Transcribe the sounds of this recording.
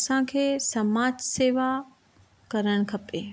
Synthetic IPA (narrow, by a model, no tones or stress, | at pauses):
sãkʰeːsɐmaːd͡ʒseːʋa | kɐɾəɽ̃̆kʰɐpeː